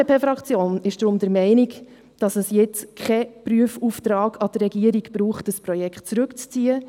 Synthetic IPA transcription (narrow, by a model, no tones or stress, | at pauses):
epʰeːfɾɑkt͡sjoːnɪʃd̥ɾʊmdəɾmɛɪnik | d̥ɑsəsjɪt͡skʰχɛpryəfuːft̪ɾɑːɡɑd̥ərːɛɡ̥iəɾiɡb̥ɾuːχtəspɾɔjɛkχt̚t͡sɾɵkt͡st͡siːə